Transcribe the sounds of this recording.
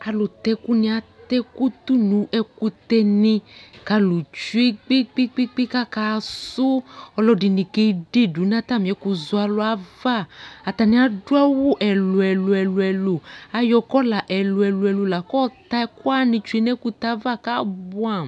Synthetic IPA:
a˨lʊ˨t̪ɛ˧ku˦nĩ˧a˨t̪ɛ˦ku˦t̪u˦nũ˨˦ʔɛ˧ku˧t̪ɛ˧nĩ˧ka˧lu˨t͡ʃu˦i˦k͡pi˦k͡pi˦k͡pi˦k͡pi˦ka˦ka˨˧sʊ˦ɔ˧lɔ˧di˧nĩ˨ke˧˦de˦˨du˨˦n˦ã˦t̪a˦˨mĩ˨ɛ˨˦ku˧zʊ˦a˧lʊ˧˦a˨˦va˦˨a˨t̪a˨nĩ˧˦a˨dʊ˦a˦wʊ˦ʔɛ˨lʊ˨ɛ˨lʊ˧ɛ˨lʊ˧ɛ˨lu˨a˨jɔ˧kɔ˦la˨ʔɛ˨lʊ˧ɛ˨lʊ˧ɛ˨lu˧la˨kɔ˦t̪a˧ɛ˧˦kʊ˦a˦nĩ˧t͡ʃu˦i˧nɛ˦ku˦t̪a˦va˦˨ka˦bʊ˦a˦˨

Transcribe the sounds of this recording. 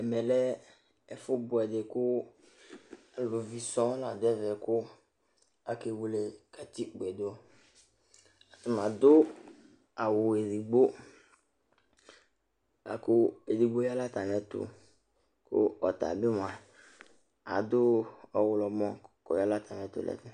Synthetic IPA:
ɛ˨mɛ˨lɛ˦ | ɛ˨fʊ˦bʊ˨ɛ˨de˨kʊ˦ | a˨lʊ˨vi˨sɔ̃˦la˨d̪ʊ˦ɛ˦vɛ˨kʊ˦ | a˨ke˨wu˦le˨ka˨t̪i˦k͡pɛ˨d̪ʊ˦ | a˨t̪ʊ˨mã˨d̪ʊ˦ | a˨wʊ˨e˨ɾi˨ɡ͡bo˦ | a̰˨kʊ˦e˨di˨ɡ͡bo˦ja˦la˦t̪a˨m˨ɛ˦t̪ʊ̰˨ | kʊ̰˦ɔ˨t̪a̰˨bɪ˦m˨ã˨ | a̰˨d̪ʊ˦ɔ˨wʊ˨lɔ˨mɔ̃˦kɔ̰˨ja˦la˦t̪a˨m˨ɛ˨˦t̪ʊ̰˨lɛ̰˨tɛ˨

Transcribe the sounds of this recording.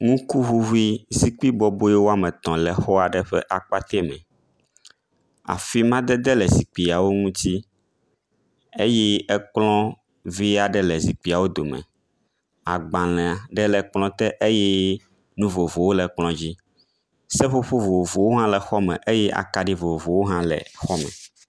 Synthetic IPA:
ŋũ˦ku˦ɦu˦ɦu˦i˦zi˨k͡pi˦bɔ˦bo˦jɛ˦wo˦a˦mɛ̃˨t̪ɔ̃˨lɛ˨xɔ˦a˨ɖɛ˦ɸɛ̰˦ʔa˨k͡pa˦t̪ɛ˦˨mɛ̰̃˨ | a̰˨fi˦mã˦d̪ɛ˦d̪ɛ˦lɛ˨zi˨k͡pi˨a˨wo˦ŋũ˦t̪i˦ | e˦jɛ˦ɛ˦k͡plɔ̃˦ | vi˦a˨ɖɛ˦lɛ˨zi˨k͡pi˨a˨wo˦d̪o˨mɛ̰̃˨ | a˨ɡ͡bã˨l̃ɛ̃˨a˨ɖɛ˦lɛ˨k͡plɔ̃˦t̪ɛ˦ʔe˦jɛ˦ | nũ˦vo˨vo˨wo˦lɛ˨k͡plɔ̃˦d͡ʑi˦ | sɛ˦ɸo˦ɸo˦vo˨vo˨wo˦ɦã˦lɛ˨xɔ˦mɛ̃˨ʔe˦jɛ˦ʔa̰˨ka˨ɖi˦vo˨vo˨wo˦ɦã˦lɛ̰˨xɔ˦mɛ̰̃˨

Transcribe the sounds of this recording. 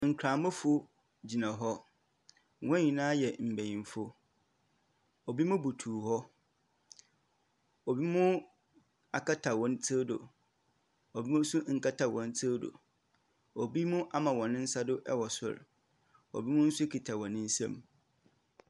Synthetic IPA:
ŋ̩˨kʰɾã˨mʊ̃˦fʊ˦ | d͡ʑi˨nã˨ɦɔ˦˨ | wɔ̃˦ɲĩ˨nãː˦jɛ˨m̩˨bæ˨ɲĩ˨mfo˦ | o˨bi˦mʊ̃˦bu˨tʰuː˨hɔ˦ | o˨bi˦mʊ̃˦ | a˨kʰa˦tʰa˨wɔ̃˨n˦tʰe˦do̰˨ | o˨bi˦mũ˦sʊ˦ŋ̩˨ka˦tʰa˨wɔ̃˨n˦tʰi˦do̰˨ | o˨bi˦mʊ̃˦ʔa˦mã˨wɔ̃˨nɪ̃˦n̩˦sa˦dʊ˦ʔɛ˦wɔ˨sʊ̰˦˨ɾ | o̰˨bi˦mʊ̃˦n̩˦sʊ˦kʰi˨tʰa˨wɔ̃˨nɪ̃˦n̩˦sã̰˦˨m

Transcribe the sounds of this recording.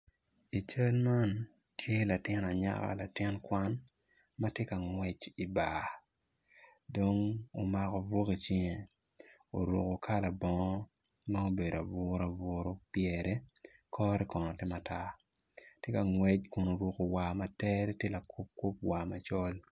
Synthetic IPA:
i˨t͡ʃa˦lma˦n | tʰje˦la˨tɪ˦na˨ɲa̰˦ka̰˦la˨tɪ˦nkwa˦n | ma˦tje˦ka˨ŋwɛ˦t͡ʃi˨ba˨ | do˨ŋo˨ma˨kɔ˨vo˦ki˨t͡ʃi˦ŋe˨ | o̰˨ɾo̰˨ko˨kʰa˦la˨bɔ˦ŋɔ˦ | nɔ˦o˦be˨da˨bʊ˦ɾa˨vʊ˦ɾo˦pjɛ˨ɾɛ˦kʰɔ˦ɾɛ˦kɔ˨nɔ˨tɛ˦ma˨ta˦ | tje˦ka˨ŋwɛ˦t͡ʃkʊ˨no˨ɾwo˨ko˨wa˨ma˨tɛ˦ɾɛ˦tje˦la˨kʰo˦p̚ko˦p̚wa˨ma˨t͡ʃɔ˦l

